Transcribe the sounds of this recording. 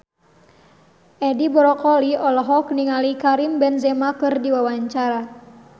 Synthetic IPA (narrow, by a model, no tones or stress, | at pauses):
ʔɛdibɔɾɔkɔliʔɔlɔɦɔkniŋalikaɾimbɛnzɛmakɨrdiwawaɲt͡ʃaɾa